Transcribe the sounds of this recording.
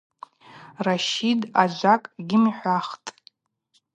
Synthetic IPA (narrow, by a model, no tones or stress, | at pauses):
raʃida̰d͡ʒʷakʼɡʲɪmħʷaχtʼ